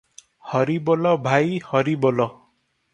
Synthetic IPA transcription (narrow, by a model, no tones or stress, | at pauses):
hʌɾibolʌbʱajhʌɾibolʌ